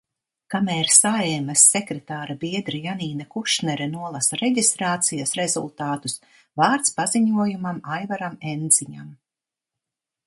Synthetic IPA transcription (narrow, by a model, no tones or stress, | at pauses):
kamɛːɾsaɛmasːɛkɾɛt̪aːɾabiɛd̪ɾijaniːnakuʃnɛɾɛnuɔlˠasaɾeɟʲist̪ɾaːt̪sijasɾezṵlˠt̪aːt̪us | vaːɾt̪spaziɲuɔjumamajvaɾamɛnd̪ziɲa̰m